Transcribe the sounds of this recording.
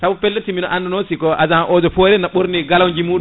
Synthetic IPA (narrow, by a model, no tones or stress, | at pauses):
sabupɛlːetiminɔʔanːdɔnosikɔʔazaʔɔd͡ʒɔfɔɾɛnaɓoɾniɡalawɲd͡ʒimuːɗu